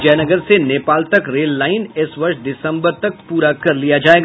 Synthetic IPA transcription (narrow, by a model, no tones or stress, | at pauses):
d͡ʒɛːnəɡəɾseneːpaːlt̪ɐkɾeːlːaːɪnɪsʋɐɾʃd̪ɪsə̃mbəɾt̪ɐk̚puːɾakɐɾlijad͡ʒaːeːɡ